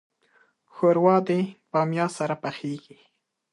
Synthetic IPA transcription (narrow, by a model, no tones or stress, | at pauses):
xoɾwɑd̪ebɑmjɑsaɾapaxeɡi